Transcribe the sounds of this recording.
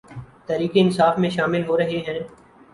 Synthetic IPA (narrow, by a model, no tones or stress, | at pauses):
t̪ɛːɾiːkeːɪnsaːfmẽʃaːmɪlɦoːɾəɦeɦɛ̃ː